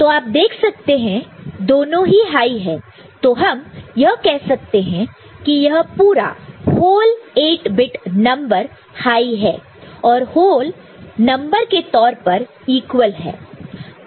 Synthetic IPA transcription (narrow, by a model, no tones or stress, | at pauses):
t̪oːaːp̚d̪eːkʰsɐk̚t̪eɦɛ̃d̪oːnõɦiɦaːiɦɛː | t̪oːɦɐmjɐɦkɛɦsɐk̚t̪eɦɛ̃ | kijɐɦpuːɾa̰hoːleːʈbɪʈnɐ̃mbəɾ | haːiɦɛː | ɔːɾhoːl | nɐ̃mbəɾket̪ɔːɾpɐɾ | iːkwəlɦɛ̰ː